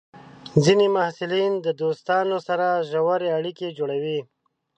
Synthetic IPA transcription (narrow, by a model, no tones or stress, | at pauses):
zinemahsɪlind̪əd̪ost̪ɑnosaɾaʒawaɾeaɽiked͡ʒoɽawi